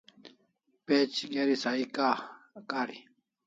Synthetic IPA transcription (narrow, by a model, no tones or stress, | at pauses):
pet͡ɕɡeɾisaika | kaːɾi